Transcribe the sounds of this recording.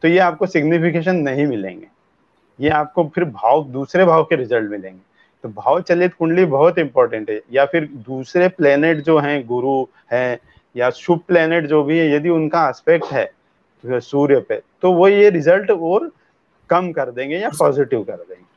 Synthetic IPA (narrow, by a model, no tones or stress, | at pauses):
t̪ojeaːp̚kosɪɡnɪpʰɪkeːʃ̬ənːɐɦĩmɪlḛ̃ːŋɡḛː | jeaːp̚kopʰɪɾbʱaːʋd̪uːsɾebʱaːʋkeɾɪzəlʈmɪlḛ̃ːŋɡeː | t̪obʱaːʋt͡ʃɐleːt̪kʊ̃ɳɖlibɐɦʊt̪ɪ̃mpɔːɾʈə̃ɳʈɦɛjafʰɪɾd̪uːsɾeplɛːneːʈd͡ʒoːɦɛ̃ɡʊɾu | hɛ̃ː | jaʃʊb̚plɛːneːʈd͡ʒoːbʱiɦɛ̃jɐd̪iʊnkaɛspɛk̚ʈɦɛː | suːɾjəpet̪oʋojeɾɪzəlʈɔːɾ | kɐmkɐɾd̪ẽːŋɡejapɔːzɪʈɪʋkɐɾd̪ḛ̃ːŋɡeː